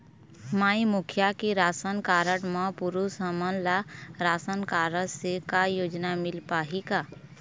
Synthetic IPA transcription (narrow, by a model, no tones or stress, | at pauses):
maːimʊkʰjakiɾaːsənkaːɾəɽmãpuɾusəmənlaɾaːsənkaːɾəɽsekajoːd͡ʒnamɪlpaːɦikaː